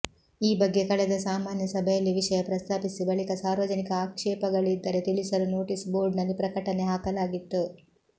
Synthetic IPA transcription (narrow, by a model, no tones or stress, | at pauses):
iːbɐɡːe̞kɐɭɛd̪ɐsaːmaːnjɐsɐbʱejɐlːiʋiʂɐjɐpɾɐst̪ʰaːpisibɐɭikɐsaːɾʋɐd͡ʒɐnikɐaːkʂɛːpɐɡɐɭid̪ːɐɾe̞t̪iɭisɐɾuno̞ːʈisboːɾɖnɐlːipɾɐkɐʈɐne̞ɦaːkɐlaːɡit̪ːu